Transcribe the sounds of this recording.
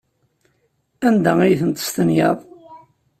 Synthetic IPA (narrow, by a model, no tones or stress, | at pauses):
ænd̪æijθənt̪ə̥st̪ənjə̰ðˤ